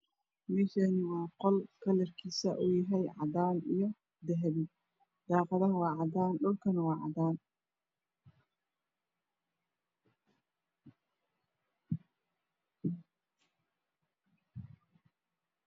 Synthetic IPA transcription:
mɛːʃɛnɪwɑːqɔlkʰɐlɛrkʰiːsɐʔujɐɦɛjʕɑ̰daːnijɞ | d̪ɛɦɛβi | d̪̥ɑːqɑðɐɦwɑːʕɑd̪aːnɗʊlkʰɐnwɑːʕɑ̰d̪aːn

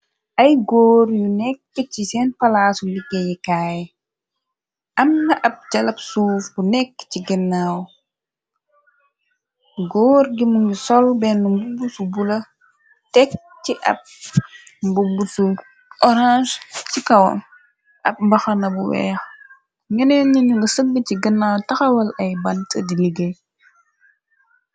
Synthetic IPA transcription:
ʔɐjɡɔːɾjunɛkːəcisɛnpɐlaːsuliɡejikaːj | ʔɐmnɐʔɐp̚ɟɐlɐpsuːfbunɛkːciɡɛnːaːw | ɡɔːɾɡimunusɔlbɛnːumbubusubulɐ | tɛk̚ | ciʔɐ̰p̚ | mbubːusu | ʔɔɾãʒcikɐwɐ̰m | ʔɐ̰p̚mbɐxɐnɐbuwɛ̰ːx | ŋɐnɛɲiɲuŋɡɐsəɡːəciɡənːaːwtɐxɐwɐlɐjbɐntɐdiliɡɐj

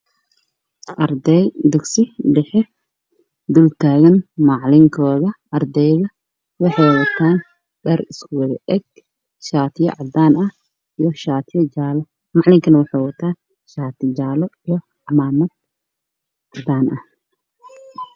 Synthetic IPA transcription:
ʔɐrd̪ɛjd̪ɐɡsɪɖɛħɛ | d̪ult̪ʰaːɣɐnmɑʕlɪŋkʰɔːðɐ | ɐrd̪ɛjðɐ | wɑħɑjwɐt̪ʰaːn | ɖɐrɪskʰʊwɐðɐʔɛɡ̚ | ʃaːt̪ʰɪjɐ̰ʕɑd̪aːnɐh | ijɞʃaːt̪ʰjɐd͡ʒaːlɔ | mɑʕlɪŋkʰɐnɐwɑħɑjwɐt̪ʰaː | ʃaːt̪ʰɪt͡ʃaːlɔijɔ | ʕɑmaːmɐd̪̚ | ʕɑd̪aːnʔɐh

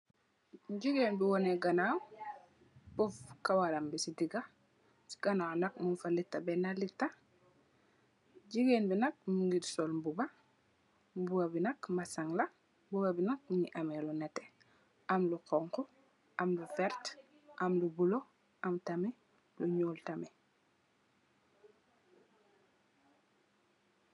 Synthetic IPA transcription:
ɟiɡeːnbiwɔneɡanaw | pɔfkawalambisidiɡa | si̥ɡ̥anaːwnɐk̚munfalitːabɛnalitːa | ɟiɡeːnbinɐk̚muŋɡidsolmbuba | buɡabinɐkmasaŋla | mbuɡabinɐk̚muɲiʔamelunɛtɛ | ʔamlukɔŋkɔ | ʔɐmlufɛɾt | ʔɐmlubulo | ʔamtamɛ | luɲoːltame

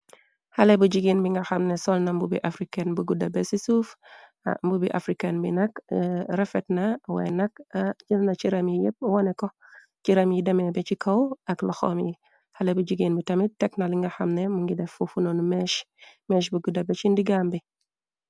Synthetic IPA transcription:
hɐlebuɟiɡinbiŋɡaxamnesɔlnambubḭʔafɾikenbuɡudɐbesisuf | a̰mbubiʔa̰fɾikenbḭnɐkɾɛfɛtnawɛ̰nɐk̚d͡ʒilnat͡ʃiɾɐmjijep̚wɔneko | ciɾɐmjidɐmebet͡ʃikʰɐwɐklɐxo̰mji | hɐlebuɟiɡiːnbitɐmit̚tɛknaliŋɡaxɐmnemuŋɡidɛfufunonumeʃ | mɛʃbuɡudɐbet͡ʃindiɡambi

